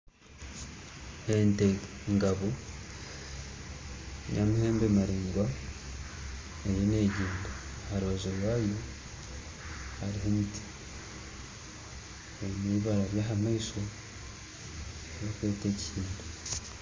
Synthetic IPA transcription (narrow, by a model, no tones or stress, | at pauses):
enteŋɡaβo̞ | jamuhe̞ːmbemaɾeːŋɡwa | ejeneːɟiːnduhaɾuβazoɾwaːjo̞ | haɾiɦemiti̥ | eniβaɾaɾjaːɦamaiso̞ | jokweːteːcihiːndu